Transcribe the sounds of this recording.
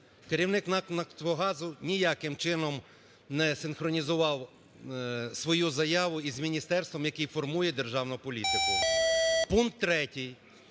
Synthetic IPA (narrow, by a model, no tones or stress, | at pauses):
keɾʲiwnɪknɐknɐkt̪ɔɦɑzʊnʲijɑkɪmt͡ʃɪnɔm | nɛsɪnxɾɔnʲizʊʋɑw | sʋɔjuzɐjɑʋʊizmʲinʲist̪ɛrst̪ʋɔmjɐkɪjfɔrmujɛd̪erʒɑwnʊpɔlʲit̪ɪkʊ | punk̚t̪ːɾɛtʲij